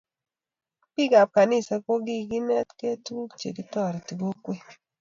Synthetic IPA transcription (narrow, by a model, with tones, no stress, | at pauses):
pi˦ɡa˨p̚ka˨ni˦˨sa˨ko˦ɡi˦ɡi˦nɛ˦tke˦tu˦kt͡ʃḛ˨ɡi˦tɔ˦˨ɾi˨ti˨ɡo˦kwe˦